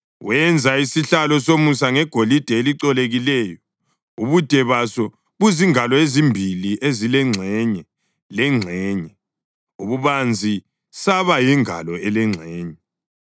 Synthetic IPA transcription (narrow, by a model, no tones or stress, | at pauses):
wɛnd͡zʱaisiɬalɔsomusaŋɛɡ̥ʱolid̥ʱɛeliǀɔleɣilɛːjɔ | uβud̥ʱɛβasɔ | βuziŋalɔezimbʱiliʔezilɛŋ͡ǀʱɛɲɛ | lɛŋ͡ǀʱɛːɲɛ | uβuβand͡zʱi | saβajɛŋa̰lɔɛlɛŋ͡ǀʱɛːɲɛ